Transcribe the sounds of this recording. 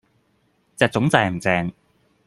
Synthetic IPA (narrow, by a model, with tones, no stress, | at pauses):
t͡sɛː˨˧k̚t͡sʊ˨˥ŋt͡sɛː˨˧˩m̩˨˩t͡sɛː˧ŋ